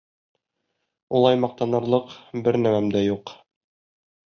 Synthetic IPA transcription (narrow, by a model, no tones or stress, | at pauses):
ulˠɑjmɑq̚t̪ɑnɤ̆ɾlˠɤqbɘɾnæmæmd̪æjuq